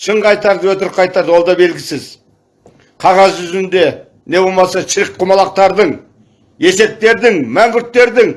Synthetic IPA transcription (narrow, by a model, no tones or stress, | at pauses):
ʃəɴqɑjt̪ɑɾd̪əwɵt̪ɪɾɪqʰɑjt̪ɑɾd̪wo̞lˠd̪ɑbe̞lɡʲɪsɪz | qʰɑʁɑzʒʏzɪnd̪e̞ | ne̞bo̞lˠmɑsɑʃʰɪɾɪk̚qʰʊmɑlˠɑq̚t̪ɑɾd̪əɴ | je̞se̞p̚t̪e̞ɾd̪ɪŋmæŋɡʲʏɾt̪ːe̞ɾd̪ɪŋ